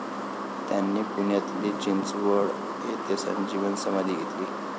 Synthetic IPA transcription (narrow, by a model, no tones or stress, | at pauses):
t̪janːiːpuɳjat̪liːt͡ɕint͡sʋəɭ | et̪esa̰nd͡ʑiʋənsəmad̪ʱiːɡʱet̪liː